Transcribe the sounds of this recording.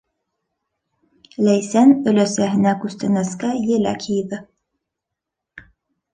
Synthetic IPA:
læjsænɵ̆læsæɦɘ̆nækʉst̪ɘ̆næskæjɘ̆læ̰kʰijðɘ

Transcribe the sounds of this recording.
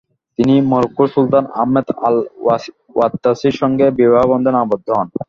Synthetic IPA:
t̪inimoɾokːuɾsult̪ana̰mːed̪al | wat̪ːasiɾʃɔŋɡebibaɦbɔnd̪ʱonabod̪ʱːoɦɔn

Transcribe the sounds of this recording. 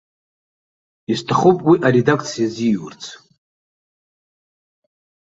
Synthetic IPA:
iztʰaχopʼwiʔaɾe̞dakʰʼt͡sʰijaziwʊ̰rt͡sʰ

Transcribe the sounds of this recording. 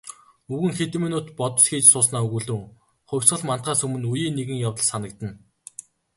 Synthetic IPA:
uɣɘ̆ŋxet̪ɘ̆minʊːt̪pɔt̪ɞ̆sxeːt͡ɕsʊːsnaːɵɣuɮɘ̆ŋ | χʊ̟wʲsɢə̆ɮman̥t̪̚ɢaːsɵmɘ̆nujiːnːeɣɘ̆ŋjawt̪ə̆ɮsanə̆kt̪ə̆n

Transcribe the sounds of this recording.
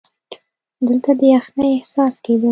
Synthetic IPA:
d̪əlt̪ad̪əjaxnəjɪhsɑsked̪o

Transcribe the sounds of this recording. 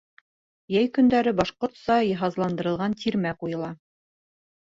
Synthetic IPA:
jæjkɵ̆nd̪æɾɘbɑʃqoɾt̪sɑjɤɦɑzlˠɑnd̪ɤ̆ɾɤ̆lˠʁɑnt̪ʰiɾmæqujɤ̆lˠɑ

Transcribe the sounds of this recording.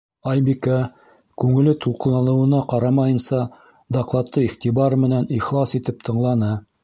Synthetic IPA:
ɑjbikæ | kʉŋɘ̆lɘt̪ʰulˠqɤ̆lˠɑnɤ̆wɤ̆nɑqɑɾɑmɑjɤ̆nsɑ | d̪ɑqlˠɑt̪ːɤiχt̪ibɑɾmɘ̆næniχlˠɑsit̪ɘp̚t̪ʰɤ̆ɴlˠɑnɤ

